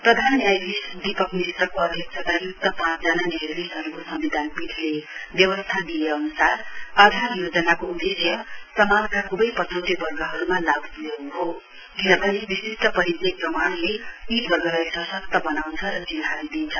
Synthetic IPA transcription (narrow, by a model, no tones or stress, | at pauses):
prʌd̪ʱanjajbisd̪ipʌkmist̪ʌkoʌd̪ʱjʌk̚sʰʌt̪ajuk̚t̪ʌpãt͡sd͡zananeɦlisʌɾukosʌmbid̪ʱanbit̪ʰlebjʌβʌst̪ʰad̪ijeʌnusarad̪ʱaɾjod͡zʌnakoud̪esjʌsʌmankakubʌjpʌtʰʌnt̪ibʌrɡʌɦʌɾumalabpujekuɦo | kinʌbʌnibisisʈʌpʌɾit̪eprʌmaɽ̃leit̪bʌɾɡʌlajsʌsʌk̚t̪ʌbʌnawnt͡sʰʌɾʌt͡sinabid̪int͡sʰʌ